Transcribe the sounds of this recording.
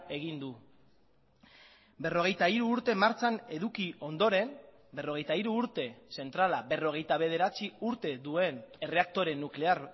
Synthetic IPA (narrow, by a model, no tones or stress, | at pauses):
e̞ɣ̞ind̪u | be̞ro̞ɣ̞e̞jt̪aiɾuːɾt̪e̞maɾt͡sane̞ðukio̞nd̪o̞ɾe̞m | be̞ro̞ɣe̞jt̪aiɾuːɾt̪e̞se̞nt̪ɾalabe̞ro̞ɣ̞e̞jt̪aβ̞e̞ð̞e̞ɾat͡siuɾt̪e̞ðue̞ne̞re̞ak̚t̪o̞ɾe̞nːukleaɾ